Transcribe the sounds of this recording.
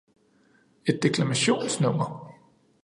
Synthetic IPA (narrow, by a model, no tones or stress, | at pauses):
e̝d̥ːe̝kʰlæmæɕo̝̰ːnsnɔ̽m̰ɐ